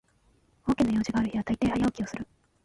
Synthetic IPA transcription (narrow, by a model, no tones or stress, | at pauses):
o̞ːkʲinojo̞ːʑiɡaːɾɯ̟çiβat̪ait̪e̞ːhajo̞ːkʲiosɨɾɯ̟